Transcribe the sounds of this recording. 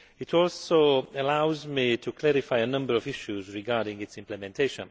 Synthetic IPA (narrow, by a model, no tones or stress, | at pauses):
ɪtʰɔlˠsoʊəlaʊzmitʰəkʰl̥ɛɹɪfaɪənʌ̃mbə˞ʌvɪʃuzɹɪɡaɹɾɪ̃ŋɪtsɪ̃mplɨmɛ̃ntʰeɪʃə̰̃n